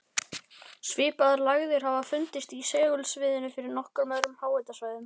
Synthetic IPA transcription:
svɪːpaðɾlaɣðɪɾ̥hɦavafʏnt̪ɪst̪isɛːɣʏlsvɪːðɪnʏfɪɾɪɾnɔhkʏɾmaðɾʏmhaːwajt̪asvaːjðʏm

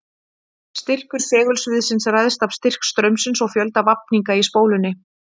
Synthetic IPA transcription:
st̪ɪr̥kʏɾ̥θɛːɣʏlsvɪðsɪnsrajðst̪av̥st̪ɪr̥kst̪ɾœɥmsɪnsɔɣfjœlt̪avap̚niŋkaispoːwlʏnːɪ

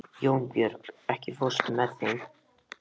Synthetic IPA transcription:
jowmpjœɾkɛhcɪfost̪mɛðθen

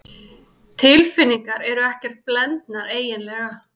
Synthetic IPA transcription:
t̪ʰɪlfɪnːiŋkaɾɛɾʏɛhcɛr̥t̪̚plɛnt̪naɾeːjɪnlɛɣa

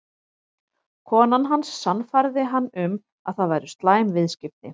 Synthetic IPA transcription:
kʰɔːnanɦansːanfaɾðɪɦanːʏm | aðθaðvajɾʏst̪laːjmvɪðscɪp̚nɪ

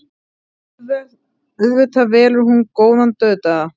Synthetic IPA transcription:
œðvɪt̪ʰavɛːlʏɾhunkoːwðant̪œːt̪a

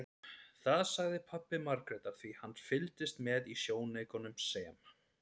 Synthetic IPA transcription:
θaðsaɣðɪpʰapːɪmaɾkɾɛt̪aθvihanːfɪlt̪ɪst̪mɛðisjoːwneːjkɔnʏmsɛːm

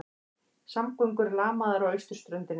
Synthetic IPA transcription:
samkʏŋkʏɾlaːmaðaɾawejst̪ʏ̥st̪ɾœɥnt̪ɪn

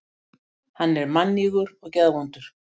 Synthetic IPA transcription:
hanːɛɾmanːiɣʏɾɔɣcɛðavɔnt̪ʏɾ̥

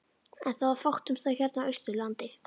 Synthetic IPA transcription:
ɛnθaðvaɾfaht̪ʏmθaç̥ɛɾt̪naœɥst̪ʏlant̪ɪ

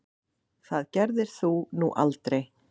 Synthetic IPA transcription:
θaðcɛɾðɪɾ̥θunuʔa̰lt̪ɾej

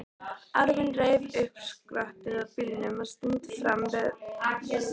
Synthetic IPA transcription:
aɾvɪnreːjvʏhkskɾaht̪ɪɾaðpɪlnʏmḁst̪int̪sɾamvɛð

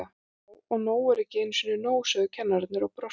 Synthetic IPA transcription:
a | ɔɣnoːwɛɾɛhcɪɪnːsinʏnoːwsœðʏcʰɛnːaɾt̪nɪɾɔɣpɾɔ

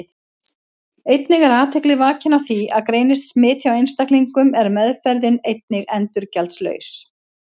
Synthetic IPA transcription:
ejt̪nɪɣɛɾaːt̪ʰɛklɪvaːcɪnawθiaðkɾeːjnɪst̪smɪːt̪ʰjawejnst̪akliŋkʏmɛɾmɛðfɛɾðɪnejt̪̚nɪɣɛnt̪ʏɾcɛlt̪slœ̰ːɥs

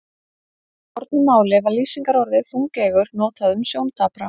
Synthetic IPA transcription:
ɔɾt̪nɪmaːwlɪvaɾliːsiŋkaɾɔɾðɪθuŋcɛːɣʏɾnɔːt̪aðʏmsjoːwnt̪ʰaːpɾa

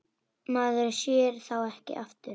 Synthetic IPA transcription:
maːðʏɾsjɛːɾ̥θawɛhcɪ̰ʔaft̪ʏɾ

